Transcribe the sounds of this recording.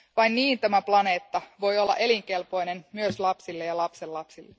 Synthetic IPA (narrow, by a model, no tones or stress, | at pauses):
ʋɑjnniːnt̪æmæplɑne̞ːt̪ːɑʋo̞jo̞lːɑ̰ʔe̞liŋke̞lpo̞jne̞nmyøslɑpsilːejɑlɑpse̞lːɑpsilːe